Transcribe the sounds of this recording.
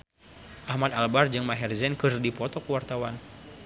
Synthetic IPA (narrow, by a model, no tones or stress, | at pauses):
ʔahmat̪albard͡ʒɨŋmaɦɛrzɛnkɨrdipɔt̪ɔkəwart̪awan